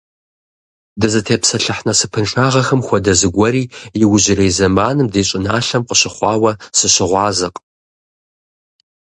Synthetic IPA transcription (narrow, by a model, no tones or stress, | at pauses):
dɨzɨtʰeːpsɐɬɨħnɐsɨpʰɨnʂʰʼaːʁɐxɐmxʷɔdɐzɨɡʷɐɾiːjɪwʊʑɪrejzɐmaːnɨmdeːɕʼɪnaːɬɐmqəɕɪχʷɑːwɐsɨɕɪʁʷɑːzɨqʼ